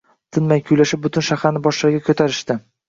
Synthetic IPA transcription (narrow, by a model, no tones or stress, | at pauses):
t̪ʰɪnmajkʲʰʊjlaʃɪp̚bʊt̪ʊnʃahaɾnɪbɒʃlaɾɡʲakʰɵt̪ʰaɾɪʃt̪ɪ